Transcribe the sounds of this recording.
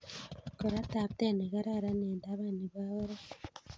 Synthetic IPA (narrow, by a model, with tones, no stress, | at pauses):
ko˨ɾa˦ta˨βte˦ne˨ɣa˦ɾa˦ɾa˦neː˨nda˦βani˨βao˦ɾa˦